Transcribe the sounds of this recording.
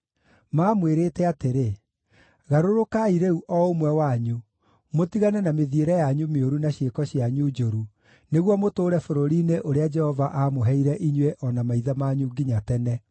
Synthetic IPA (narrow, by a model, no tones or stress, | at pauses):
maːmweɾeːtɛateɾe | ɣaɾoɾokaiɾeuʔɔomwɛwaɲu | motiɣanɛnameðieɾɛjaɲumeoɾunaɕjekɔɕjaɲud͡ʒoɾu | neɣwɔmotoːɾɛfoɾoɾineʔoɾead͡ʒɛhɔvaʔamoɦɛiɾɛʔiɲweʔɔnamaiðamaɲuɡiɲatɛnɛ